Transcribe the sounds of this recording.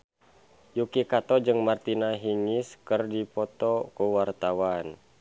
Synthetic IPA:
jukikat̪ɔd͡ʒɨŋmart̪inaɦiŋiskərdipɔt̪ɔkuwart̪awan

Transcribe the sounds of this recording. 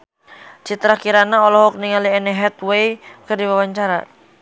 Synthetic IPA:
t͡ʃit̪ɾakiɾanaɔlɔɦɔk̚niŋaliɛnɛɦɛt̪wejkərdiwawaɲt͡ʃaɾa̰

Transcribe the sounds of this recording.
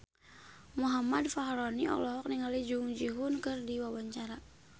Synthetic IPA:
muɦamadfaɦɾɔniɔ̰klɔɦɔk̚niŋalid͡ʒuŋd͡ʒiɦunkɨrdiwawaɲt͡ʃaɾa

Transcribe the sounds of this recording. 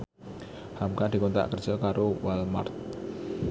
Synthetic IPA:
hamkad̥̪i̤kont̪a̰ʔkərd̥ʒ̥ɔkaɾowalma̰rt̪̚

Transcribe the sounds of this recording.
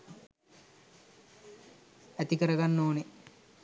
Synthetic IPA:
æt̪ikəɾɐɡanːoːne

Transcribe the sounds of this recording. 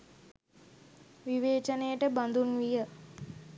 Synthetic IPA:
ʋiʋeːt͡ʃənejəʈəband̪unʋijə

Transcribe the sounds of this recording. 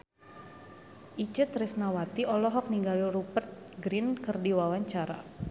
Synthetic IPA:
ʔit͡ʃət̪risnawat̪iʔɔlɔɦɔk̚niŋɡaliɾupərt̪̚ | ɡɾinkərdiwawaɲt͡ʃaɾa̰

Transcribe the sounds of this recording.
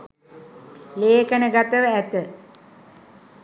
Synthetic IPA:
leːkənəɡat̪əʋəæt̪ə

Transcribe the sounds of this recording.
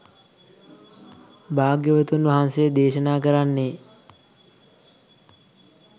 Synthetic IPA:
baːɡjəʋət̪unʋaɦansejəd̪eːʃənaːkəɾanːe

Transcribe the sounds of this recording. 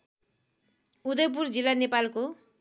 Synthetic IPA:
ud̪ʌjp̬uɾd͡ʒilanepalko

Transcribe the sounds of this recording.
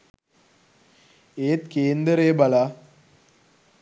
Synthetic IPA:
eːt̪keːnd̪ɐɾeːbɐla

